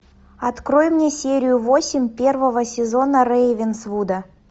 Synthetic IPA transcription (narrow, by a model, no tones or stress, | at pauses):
ɐt̪krojmnʲesʲeɾʲɪjʊvosʲɪmʲpʲe̞rvəvəsʲɪzo̞nərejvʲɪnsvud̪ə